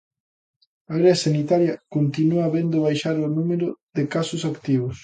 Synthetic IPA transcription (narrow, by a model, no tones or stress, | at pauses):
aɾeasanit̪aɾjɐkont̪inuɐβend̪ʊβ̞ajʃaɾonumeɾoðekasʊsakt̪iβʊs